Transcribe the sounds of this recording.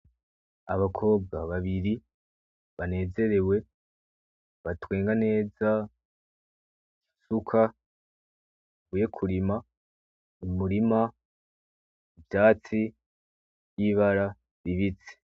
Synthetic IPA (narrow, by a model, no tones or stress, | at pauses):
aβakʰo̞ːb̚ɡaβaβiɾi | βane̞ːze̞ɾe̞we̞ | βatwe̞ːŋɡane̞ːza | ki̥sukʰa | βuje̞kʰuɾima | umuɾima | ibjaːt͡si | jiβaɾa | ɾiβit͡se̥